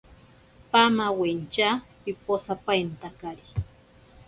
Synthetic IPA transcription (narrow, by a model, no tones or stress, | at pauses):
pamawent͡ʃa | iposapajnt̪akaɾi